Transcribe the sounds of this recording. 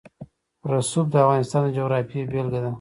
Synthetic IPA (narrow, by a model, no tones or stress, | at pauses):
ɾasub̚d̪əafɣɑnɪst̪ɑnd̪əd͡ʒoɣɾɑfiebelɡad̪a